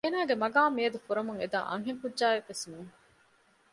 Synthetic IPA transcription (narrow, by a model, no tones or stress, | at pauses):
eːnaːɡemɐɡaːmiɐd̪ufuɾɐmuŋed̪a̰ːʔɐ̰ŋɦeŋkudʒaːeʋːesnuːŋ